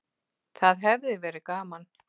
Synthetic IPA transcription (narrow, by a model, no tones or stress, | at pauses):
θaðɦɛvðɪvɛːɾɪkaːman